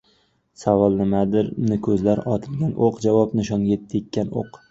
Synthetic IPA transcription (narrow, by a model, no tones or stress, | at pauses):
savɒlˠnɪmad̪ɪɾnɪkʲʰɵzlaɾɒt̪ʰɪlɡʲanʔoqd͡ʒavɒpnɪʃɒnɡet̪ʰːɪek̪ʲːano̰q